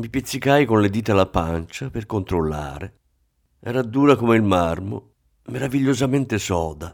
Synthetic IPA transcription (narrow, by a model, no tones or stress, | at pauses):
mipit̪sːikajkonled̪iːt̪alapant͡ʃaperkont̪ɾolːa̰ːɾe | ɛ̰ːɾad̪ːuːɾakomeilmarmo̰ | meɾaviʎːozament̪esɔːd̪a